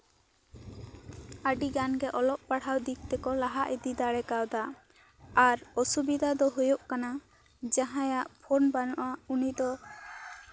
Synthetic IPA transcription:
aɖiɡanɡɛʔɔlɔʔpaɽ̤awd̪ik̚t̪ɛkɔlaɦaʔid̪id̪aɽɛkawd̪a | aɾɔsubid̪ʱad̪ɔɦujuʔkana | d͡ʒaɦãjaʔpʰɔnbanɔʔaunid̪ɔ

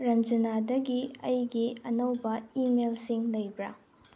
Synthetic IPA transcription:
ɾɐnd͡ʒɐnadɐɡiɐjɡiɐnɐwbɐimelsiŋlɐjbɾɐ

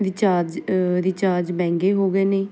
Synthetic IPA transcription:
d̪iːt͡ʃaːd͡ʒd̪iːt͡ʃaːd͡ʒbɛ̃ːŋɡeːɦoːɡɛːneː

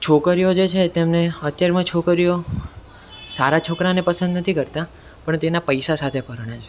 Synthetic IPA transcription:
t͡ʃʰokəɾijod͡ʒet͡ʃʰet̪emneət̪jaɾemãt͡ʃʰokəɾijo | saɾat͡ʃʰokɾanepəsə̃nd̪nət̪ʰikəɾt̪a | pəɳt̪enapəjsasat̪ʰepəɾɽ̃at͡ʃʰe

